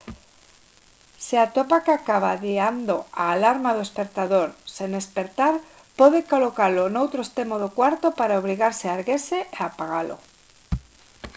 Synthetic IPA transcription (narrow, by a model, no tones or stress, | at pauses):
seat̪opakeakaβ̞aðiand̪oaːlaɾmaðoespek̚t̪aðoɾseŋespeɾt̪aɾ | poðekolokaɾlonowt̪ɾoest̪emoðokwaɾt̪opaɾaoβ̞ɾiɣaɾsɪaɾɣeseeapaɣalo̰